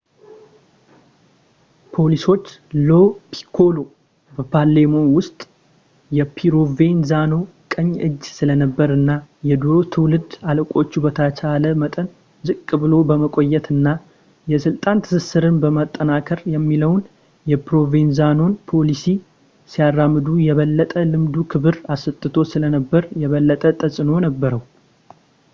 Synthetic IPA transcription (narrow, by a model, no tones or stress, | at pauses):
pʰo̞liso̞t͡ʃːlo̞pʰi̥kʰo̞lo̞ | bəpʰalːemo̞nwʊst̪ʼ | jɛpʰiɾo̞ve̞nzano̞ | kʼəɲːɨd͡ʒːsɨlənəbːəɾɨnːajɛd̪uɾot̪ʰɨwlɨd̪aləkʼo̞t͡ʃːubət̪ʰat͡ʃaləmət̪ʼən | zɨkʼkʼːɨβɨlo̞bəməkʼo̞jːɛt̪ɨnːa | jɛsɨlt̪ʼant̪ʰɨ̥sɨsɨɾɨnbəmət̪ʼːənakʰəɾjɛmːiləwn | jɛpɾo̞venzano̞npʰo̞lisi | sijarːamːɨd̪ujɛβəlːət̪ʼəlɨmd̪ukʰɨβɨɾasɨt̪ʼːɨt̪ʰo̞sɨlənəbːəɾjɛβəlːət̪ʼət̪ʼəsʼɨno̞nəbːəɾəw